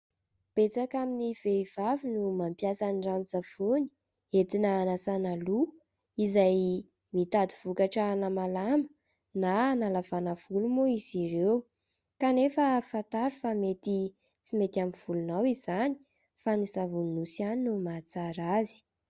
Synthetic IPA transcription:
b̥et͡sakaminiv̥eiv̥avinumampjasanirant͡safuni̥ | et̪inaːnasanalu | izaj | mit̪ad̪iv̥ukaʈ͡ʂənamalamə̥ | nanalavanəv̥ulumoiziɾew | kanefəfant̪aɾifamet̪i | t͡simet̪amiv̥ulunawiz̥ani̥ | fanizavunnusianinumat͡saɾazi̥

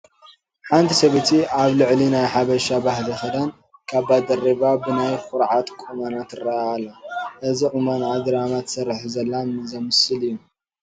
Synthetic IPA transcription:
ħant̪ʰisɐβɐt̪ʰiaβlɨʕlinajħaβɐʃabaɦlixɐd̪an | kʰaβbad̪ɐriβabɨnajxʊɾʕat̪ʼkʼumanat̪ɨrːɐʔalːɐʔɨziʔʼɨmanʕad̪ɨɾamat̪sɐɾħzɐlːamɨzɐmɨsɨlijːu

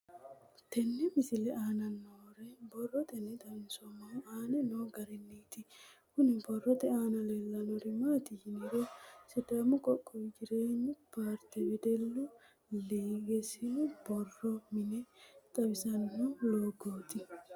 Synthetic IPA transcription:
t̪ɛnːɛmɪsɪlɛʔaːnɐnːoːɾɛbɔrːɔt̪ʼɛnːɛd̪ɐnsɔmoaːnɛnoːɡɐɾɛnːiːt̪ɪkʊnɪbɔrːɔt̪ɛaːnɐlɛlːɐnɔɾɪmaːt̪ɪhɪnɪɾosɛd̪aːmʊkʼɔkʼːɔwɪd͡ʒɪɾeːɲːʊpaːɾt̪ɛbɛd̪ɛlːʊ | leːɡɛsɪnʊbɔrːɔmɪnɛt̪ʼɐbɪsɐnːɔloːɡoːt̪ɪ

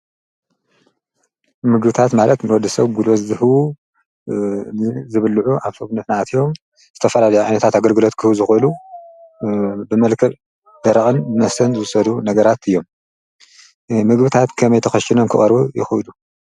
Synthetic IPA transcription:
mɨɡbɨt̪ʰat̪malɐt̪nɨwɔd̪ːɨsɐβɡulozzɨh | nɨzɨβɨlːʕuʔaβsoβnɨt̪nat̪ʰijo̞m | z̥ɨt̪ʰɐfɐlalɐjuʕajnɐt̪ʰat̪aɡɐlɡɨlo̞t̪kʰɨzɨxʔɨlu | bɨmɐlkʰɐl | d̪ɐɾɐxʼɨnbɨnɐsɐnzɨsɐd̪unɐɡɐɾat̪ɨjːo̞m | mɨɡbɨt̪ʰat̪kʰɐmɐjt̪ʰɐxɐʃinomkʰɨ̰χʼɐɾbujɪ̰xɨʔɨlu

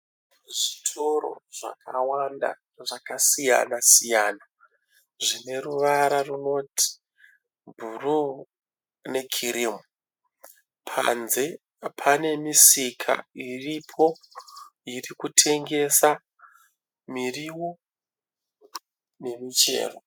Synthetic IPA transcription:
ʐitʰo̞ɾo̞̰ʐa̰kʰawanda̰ | ʐakasija̰nasijana | ʐine̞ruʋaɾaruno̞tʰi̥ | bʱuru | ne̞kʰirimu | pʰa̰nze̞ | pʰane̞misikʰa̰iripʰo̞ | irikutʰe̞ŋɡe̞sa | miriwo | ne̞mit͡ʃe̞̰ːro

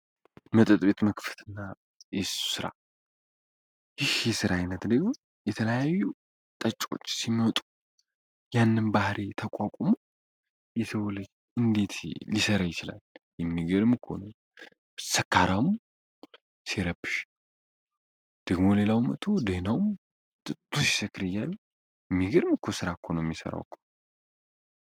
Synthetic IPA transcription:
mət̪ʼɨt̪ʼbet̪məkft̪ɨnːa | ɛsu̥sɨɾa̰ | jɪhjɛsɨɾajɪnːət̪d̪əɡmo | jɛt̪ʰələjajːu | t̪ʼət͡ʃʼːo̞̰t͡ʃːsimət̪ʼu̥ | janːɨnbahɾʔet̪ʰəkʷʼakʷʼomo̞ | jɛt̪ʰəwɔləɡ | ʔɨnd̪e̞t̪ʰlisəɾəjɪt͡ʃɪla̰ljɛmːiɡɨɾmɨkʰo̰no | səkːaɾawm | siɾəbɨʃ | d̪̥əɡmo̞le̞lawmə̰t̪ʰo̞d̪enawm | t̪ʼɨtʼʰːusi̥sɨkːɾɨjːaju | jɛmːiɡɨɾmkʰosɨɾakʰonojmːisə̰ɾa̰wkʰːo̥

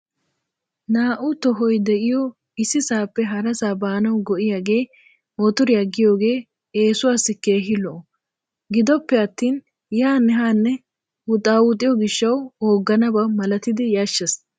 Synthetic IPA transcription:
naːʔʊt̪ɔɦɔjd̪ɛʔɪjɔ | ɪsɪsaːpːɛɦɐɾɐsaːbaːnɐwɡɔʔɪjaːɡe̞ː | mɔt̪ʊɾɪjɐɡːɪjo̞ːɡe̞ː | eːsʊwaːsɪke̞ːɦɪlɔʔ | ɡɪd̪ɔpːɛɐt̪ːiːn | jaːnɛɦaːnːɛ | hʊt̪ʼaːwʊt̪ʼːɪjɔɡɪʃːɐwoːɡːɐnɐbɐmɐlɐt̪ɪd̪ɪjɐʃːɛs

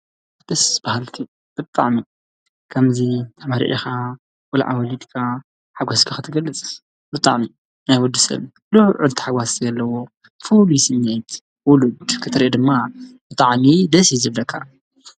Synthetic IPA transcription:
d̪̥ɨsb̥ahalt̪ʰi | b̥ɨt̪ʼa̰ʕmi | kʰɐmzit̪ʰamaɾḭʔḭxa | wɔlʕa̰wɐlid̪kʰa | ħaɡɔskʰaxɨt̪ʰɨɡɐlːɨt͡sʼ | bɨt̪ʼa̰ʕmi | najwʊd̪ːusɐ̰β | luhʕʊlt̪ʰħaɡwasʰzɐlːɐwo | fulujsɨnːejt̪ʰ | wʊlud̪kʰɨt̪ʰɨɾʔed̪ɨmːab̥ɨt̪ʼaʕmid̪ɐsizɨβlɐkʰːa̰

